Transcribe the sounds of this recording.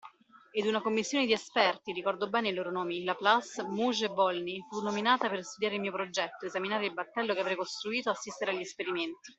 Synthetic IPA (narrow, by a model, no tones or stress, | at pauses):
ed̪unakomːisːjoːned̪iespɛrt̪iɾikɔrd̪obɛːneiloːɾonoːmilaplasmuʒebɔlnifunːominaːt̪aperst̪ud̪jaːɾelmiopɾod͡ʒɛt̪ːoezaminaːɾeilbat̪ːɛlːokeavɾɛejkost̪ɾuiːt̪oasːist̪eɾeaʎːiespeɾiment̪i